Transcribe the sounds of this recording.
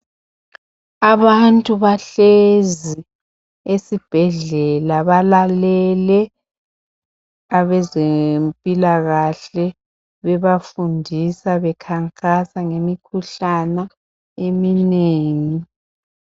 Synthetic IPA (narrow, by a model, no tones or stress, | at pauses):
aβantʼuβaɬezi | esib̥ʱɛɮɛlaβalalɛlɛ | aβɛzempʼilaɣaɬɛ | βɛβafundʱisaβɛkʰaŋkʼasaŋemikʰuɬana | emineːŋi